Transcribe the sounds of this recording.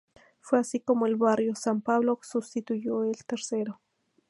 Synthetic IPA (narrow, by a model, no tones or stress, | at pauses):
fweasikomoelβarjosampaβloksust̪it̪ujoelt̪eɾseɾo